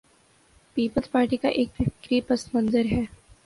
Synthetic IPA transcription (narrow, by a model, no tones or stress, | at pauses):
piːpəlzpaːɾʈikaʔeːkʋɪkɾipɐst̪mɐ̃nzəɾɦɛː